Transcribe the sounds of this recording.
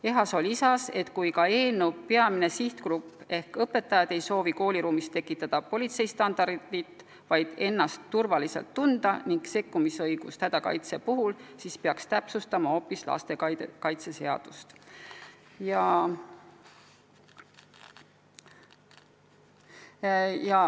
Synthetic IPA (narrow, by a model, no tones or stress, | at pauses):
e̞ɦɑso̞lʲisɑse̞t̪ːˑkujkɑe̞ːlnuwpeɑmine̞siht̪krupːˑe̞hkɤpːe̞t̪ːˑɑjɑd̪̥e̞jso̞ːviko̞ːlʲiɾuːmist̪ːe̞kːˑit̪ːˑɑd̪̥ɑpo̞lʲit̪se̞jst̪ɑnd̪̥ɑrd̪̥it̪ | vɑjd̪̥e̞nːɑst̪ːurvɑliselt̪ːund̪̥ɑniŋkse̞kːumisɤjɡ̥ust̪hæd̪̥ɑkɑ̰jt̪se̞puɦulsispeɑkst̪æpsust̪ɑmɑo̞ːpːislɑ̰st̪e̞kɑjt̪se̞se̞ɑ̰d̪̥ust̪ | jɑ | jɑ